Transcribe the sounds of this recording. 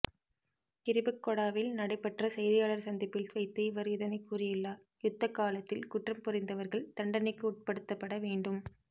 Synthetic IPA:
kɪɾɪbɯkːɔɽaːʋɪlnɐɽɐɪpːɐʈrɐsɛjðɪjaːlɐɾsɐnd̪ɪpːɪlsʋɐɪt̪ːɐɪʋɐɾɯðɐnɐɪkːuːrɪjɪlːaː | jʊt̪ːɐkːaːlɐt̪ːɪlkʊʈrɐmpʊrɪnd̪ɐʋɐɾɣɐɭt̪ɐɳɖɐnɪkːɯuːʈ̚pɐɽɯt̪ːɐpːɐɽɐʋeːɳɖɯm

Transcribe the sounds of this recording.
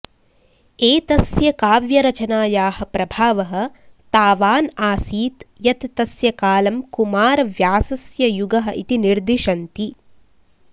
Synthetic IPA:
eːt̪ɐsjɐkaːʋjɐɾɐt͡ʃɐnaːjaːhɐ̆pɾɐbʱaːʋɐɦɐ̆t̪aːʋaːnaːsiːt̪jɐt̪t̪ɐsjɐkaːlɐmkumaːɾɐʋjaːsɐsjɐjuɡɐɦɐ̆ʔit̪iniɾd̪iʃɐnt̪i

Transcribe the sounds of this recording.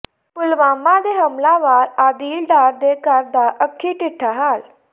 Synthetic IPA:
pʊlʋaːmãːd̪eːɦəmlãːʋaːɾaːd̪iːlɖaːɾd̪eːkəɾd̪aːʔəkʰːiːʈɪʈʰːaːɦaːl

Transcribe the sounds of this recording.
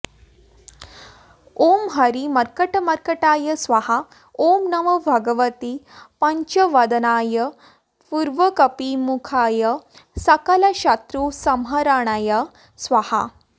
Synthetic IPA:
omɦɐɾimɐɾkəʈəmɐɾkəʈaːjəsʋaha | omnɐməbʱɐɡəʋət̪ipɐɲt͡ɕəʋɐd̪naːjə | puɾʋəkɐpimukʰajəsɐkalaɕat̪ɾusɐmɦəɾaɳ̃ajə | sʋaha̰

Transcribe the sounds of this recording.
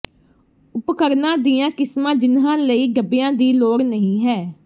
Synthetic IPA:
ʊpkəɾnãːd̪iːãːkɪsmãːd͡ʒɪnɦãːləiːɡəbɪjãːd̪iːloːɾnəɦĩːɦɛː

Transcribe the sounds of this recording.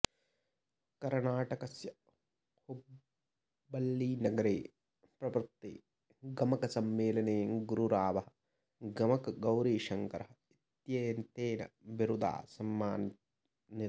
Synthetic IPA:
kɐɾnaːʈɐkɐsjɐ | hu | bɐlːiːnɐɡɐɾeː | pɾɐʋɾt̪ːḛː | ɡɐmɐkɐsɐmːeːlɐneːɐŋɡuɾuɾaːʋɐɦɐ | ɡɐmɐkɐɡɐwɾiːʃɐŋkɐɾɐɦɐ | it̪jeːnt̪eːnɐ̰ʋiɾud̪ʱa̰ːsɐmːaːn | ni

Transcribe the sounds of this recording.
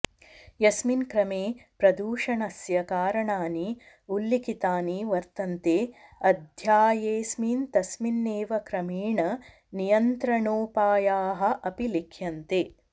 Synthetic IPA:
jɐsminkɾɐmeːpɾɐd̪uːʂɐɳɐsjɐkaːɾɐɳaːni | ulːikit̪aːniʋɐɾt̪ɐnt̪eːɐd̪ʱjaːjeːsmint̪ɐsminːeːʋɐkɾɐmiːɳɐ | nijɐnt̪ɾɐɳoːpaːjaːɦɐ̆ʔɐpilikʰjɐnt̪eː

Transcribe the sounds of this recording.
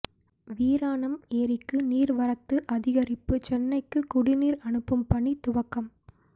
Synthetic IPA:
ʋiːɾaːɳɐmeːɾɪkːɯniːɾʋɐɾɐt̪ːɯʔɐðɪɣɐɾɪpːɯt͡ʃɛnːɐɪkːɯkʊɽɪniːɾɐɳɯpːɐmpɐɳːit̪ʊʋɐkːɐm

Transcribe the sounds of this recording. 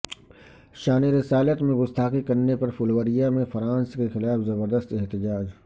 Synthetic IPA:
ʃaːniɾɪsaːlət̪mẽɡʊst̪ʰaːqikɐɾnepɐɾfʊlwəɾijamẽfɐɾãːnskexɪlaːfzɐbəɾd̪əst̪ɛɦt̪ɪd͡ʒaːd͡ʒ

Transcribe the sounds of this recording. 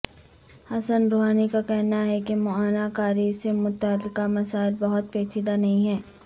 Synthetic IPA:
hɐsənɾoːɦaːnikakɛɦnaɦɛkemʊaːnakaːɾisemʊt̪aːlɪkamɐsaːɪlbɐɦʊt̪̚peːt͡ʃʰɪd̪anɐɦĩɦɛː

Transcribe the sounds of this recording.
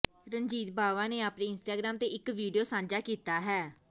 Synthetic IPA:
ɾəɲd͡ʒiːt̪baːʋãːneːaːpneːɪnsʈaːɡɾaːmt̪eːɪkʋiːɖijoːsãːɲd͡ʒaːkiːt̪aːɦɛː

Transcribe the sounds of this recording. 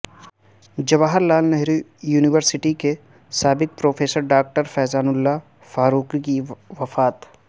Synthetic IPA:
d͡ʒɐʋaːɦəɾlaːlnɛɦɾijuːnɪʋəɾsɪʈike | saːbɪk̚pɾoːfeːsəɾɖaːk̚ʈəɾfɛːzaːnʊlːa | faːɾuːkikiʋɐfaːt̪

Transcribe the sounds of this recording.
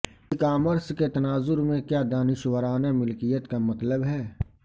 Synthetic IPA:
ɪkaːməɾsket̪ɐnaːzʊɾmẽkjaːd̪aːnɪʃwəɾaːnemɪlkijət̪kamɐt̪ləbɦɛː

